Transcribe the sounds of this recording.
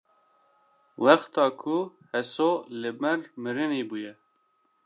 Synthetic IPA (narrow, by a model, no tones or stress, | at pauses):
wɛxt̪ɑːkʰuhɛsoːlɪmɛɾmɨɾɨneːbuːjɛ